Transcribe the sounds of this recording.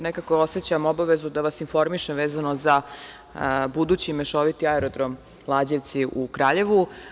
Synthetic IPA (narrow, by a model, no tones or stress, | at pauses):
nekako̞o̞se̞t͡ɕamo̞baʋe̞zud̪aʋasinfo̞ɾmiʃemʋeːzano̞za | bud̪uːt͡ɕimeʃo̞ʋit̪iaeɾod̪ɾo̞m | lˠaːd͡ʑet̪siʔukɾaːʎe̞ʋu